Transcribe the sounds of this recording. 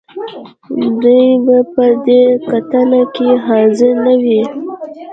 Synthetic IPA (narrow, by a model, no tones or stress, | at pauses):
d̪ujbapəd̪ekat̪anakeɦɑzɪɾnawi